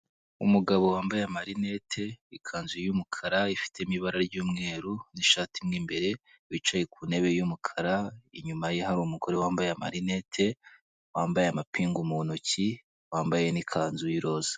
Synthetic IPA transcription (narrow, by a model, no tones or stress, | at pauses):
umuɡaβo̞waːmbajamaɾine̞tʰe̞ikʰaːnzujjumukʰaɾaifi̥te̞imiβaɾaɾɟuːmŋe̞ːɾuniʃaːtimŋiːmbe̞ɾe̞ | wit͡ʃaje̞kʰune̞βe̞jumukʰaɾaiɲumajeɦaɾumuɡo̞ɾe̞waːmbajeama̰ɾine̞tʰe̞ | waːmbajeamapiːŋɡumuonoci | waːmbajenikʰaːnzujiɾo̞ːz̥ḁ